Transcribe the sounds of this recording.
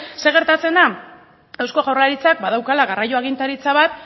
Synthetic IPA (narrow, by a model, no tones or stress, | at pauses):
se̞ɣ̞e̞ɾt̪at͡se̞nd̪a | ewsko̞ɣawrlaɾit͡sak̚bað̞awkalaɣarajo̞aɣ̞int̪aɾit͡saβat̪̚